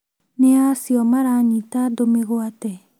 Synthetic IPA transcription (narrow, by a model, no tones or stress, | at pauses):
neasiɔmaɾanit̪ad̪omiɣoat̪e